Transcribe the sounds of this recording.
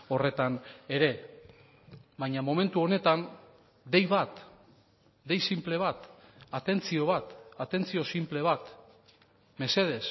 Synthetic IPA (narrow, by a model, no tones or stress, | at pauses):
o̞re̞t̪ane̞ɾe̞ | βajɲamo̞me̞nt̪uo̞ne̞t̪an | d̪e̞jβat̪ | d̪e̞jsimple̞βat̪at̪e̞nt͡sio̞β̞at̪at̪e̞nt͡sio̞simple̞β̞at̪ | me̞se̞ð̞e̞s